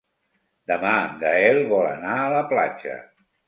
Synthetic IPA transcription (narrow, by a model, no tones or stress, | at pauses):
d̪əmaɡ̪əɛlˠβɔlə̰naələpla̰t͡ʃə̰